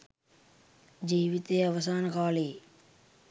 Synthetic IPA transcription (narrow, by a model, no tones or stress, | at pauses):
d͡ʒiːʋit̪eːɐʋɐsaːnkaːliː